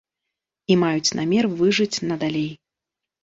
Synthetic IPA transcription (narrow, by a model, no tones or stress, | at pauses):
imajut͡sʲnamʲɛrvɨʐɨt͡sʲnɐd̪alʲej